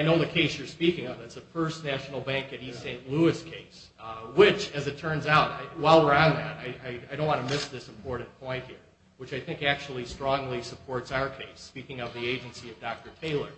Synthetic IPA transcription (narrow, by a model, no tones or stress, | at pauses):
aɪnoʊðɨkʰeɪsjə˞spikɪ̃ŋʌvðɨtsɨfɜ˞sⁿnæʃn̩l̩ˠbæ̃ŋkɨɾissẽɪ̃nʔluɨskʰeɪs | wɪt͡ʃɨzɨtʰɜ̃˞nzaʊtaɪwaɪlˠə˞ãʊ̃nðæ̰ɾaɪaɪaɪɾõʊ̃nwɑ̃nɨmɪsðɪsm̩pʰɔɹʔn̩pʰɔ̃ɪ̃nt̚hiɹ | wɨt͡ʃaɪθɪ̃ŋkæk̚t͡ʃul̩ˠistɹ̥ɔ̃ŋlisəpʰɔɹtsaʊə˞kʰeɪspikɪ̃ŋʌvðieɪd͡ʒɨ̃nsiʌvdɑk̚tə˞tʰeɪlˠə˞